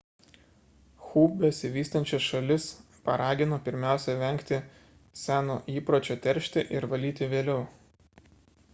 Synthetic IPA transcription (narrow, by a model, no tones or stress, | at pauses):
xuːbʲɛsʲɪʋʲiːst̪ɐnʲt͡ʃʲɛsʃɐlʲɪs | pɐɾɑːɡʲɪnoːpʲɪɾʲmʲæˑʊsʲɛʋʲɛŋʲkt̪ʲɪ | sʲæːnoːʔiːpɾoːt͡ʃʲoːt̪ʲɛɾʲʃʲt̪ʲɪʔɪɾʋɐlʲiːt̪ʲɪʋʲeːlʲɛʊ